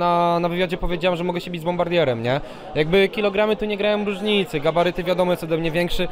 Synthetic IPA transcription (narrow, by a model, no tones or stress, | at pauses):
anavɘvʲjad͡ʑɛpɔvʲjed͡ʑawamʐɛmɔɡɛɕɛbʲid͡ʑzbɔmbaɾd̪ʲjɛɾɛmɲɛ | jaɡ̚bɘkʲilɔɡɾamɘt̪uɲɛɡɾajɔmɾuʐɲit̪sɘɡabaɾɘt̪ɘvʲjad̪ɔmɔt̪ɔd̪ɛmɲɛvʲjɛŋkʂɘ